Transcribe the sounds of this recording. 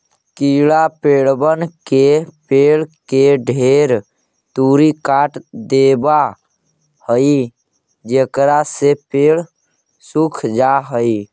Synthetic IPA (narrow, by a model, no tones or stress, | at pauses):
kilapeɭbənkepeɭkeɖʱeɾ | t̪uɾikaʈd̪eba | həi | d͡ʒekɾasepeɭ | sukʰd͡ʒaɦəi